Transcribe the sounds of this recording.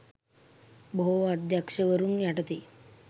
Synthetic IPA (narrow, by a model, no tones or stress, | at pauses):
boɦoʋad̪jakʂəʋəɾuːnjaʈət̪i